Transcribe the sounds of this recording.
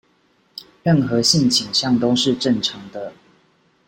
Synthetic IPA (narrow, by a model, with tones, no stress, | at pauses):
ɻə˥˨˩nxɤ˨˦ɕi˥˨nt͡ɕʰi˨˩ŋɕjɑ˥˨ŋt̪o˥ʊʂɻ̩˥˨ʈ͡ʂə˥˩nʈ͡ʂʰɑ˨˦ŋd̪ə˧